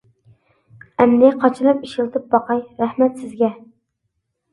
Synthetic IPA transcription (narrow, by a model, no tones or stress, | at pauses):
æmnɪqʰɑt͡ʃʰɨlˠɑpiʃilˠt̪ʰɨp̚bɑqɑjɾæhmɛt̪sɪzɡʲɛ